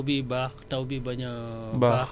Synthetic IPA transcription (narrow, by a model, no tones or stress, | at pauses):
bibakt̪awbibaɲaʔbaa